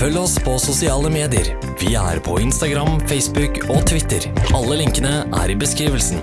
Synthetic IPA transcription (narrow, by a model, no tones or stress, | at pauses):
fœlːəɔspʰɔsʊsɪɑːləmeːd̪ɪə̰ɾ | ʋɪæ̰ɾpʰɔ̰ɪnst̪ɑɡɾɑmfɛɪsbʉk | oːt̪ʰʋɪt̪ːəɾɑlːəlɪŋkənəʔæ̰ːɾɪbəskɾiːʋəlsn̩